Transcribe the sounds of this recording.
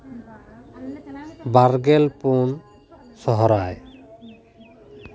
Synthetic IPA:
baɾɡelpun | sɔɦɔɾaj

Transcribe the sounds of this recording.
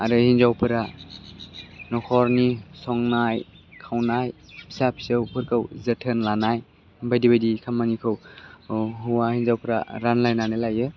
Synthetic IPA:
aɾɯhinzawpʰɯɾa | nɔkʰɔɾnisɔŋnajkʰawnajpʰi̥sapʰi̥sɯwpʰɯɾkɯwzɯtʰɯnlanaj | bajdibajdikʰamːanikʰɯw | ɦuwahinzawpʰɯɾa̰ɾanlajnanɯlajɯ

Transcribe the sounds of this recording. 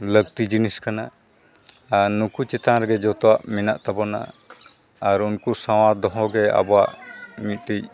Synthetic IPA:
ləɡ̚t̪id͡ʒiniskanaː | ɾnukut͡ʃɛt̪aŋɾɡɛd͡ʒɔt̪ɔwaʔminaʔt̪abɔna̰ː | ɾunkusaw̃ad̪ɔɦɔɡɛa̰bɔwaʔmit̪̚ʈij

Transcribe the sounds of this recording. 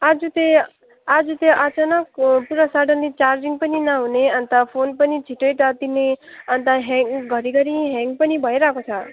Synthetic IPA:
ad͡zut̪e | ad͡zut̪eʔat͡sanʌk̚puɾʌsaɖʌnlit͡sard͡ʒiŋpʌninʌɦuneʌnt̪apʰonpʌnit͡sʰiʈejʈʌt̪ineʌnt̪aɦeŋɡɡʱʌɾiɡʌɾiɦeŋɡpʌnibʱʌjɾakot͡sʰʌ

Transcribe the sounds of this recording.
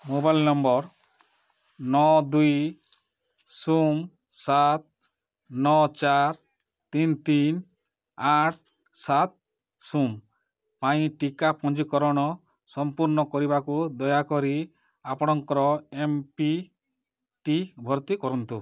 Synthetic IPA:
mobajlnɔmbɔɾ | nɔd̪uj | sum | sat̪̚ | nɔt͡ʃaɾ | t̪int̪in | aʈ̚ʰ | sat̪̚ | sum | paĩʈikapɔnd͡ʒikɔɾɔɽ̃ɔ | sɔmpuɾnɔkɔɾibakud̪ɔjakɔɾi | apɔɽ̃ɔŋkɔɾɔempi | ʈibʱɔɾt̪ikɔɾɔnt̪u

